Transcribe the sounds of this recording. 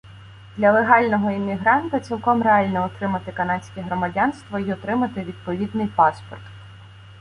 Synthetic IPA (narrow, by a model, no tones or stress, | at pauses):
d̪lʲɐlˠeɦɑlʲnɔɦɔimʲiɦɾɑnt̪ɐt͡sʲilˠkɔmreɑlʲnɔɔt̪ɾɪmɐt̪ɪkɐnɑt͡sʲkʲɛɦɾɔmɐdʲɑnst̪ʋɔiɔt̪ɾɪmɐt̪ɪʋʲid̪̚pɔʋʲid̪nɪjpɑspɔrt̪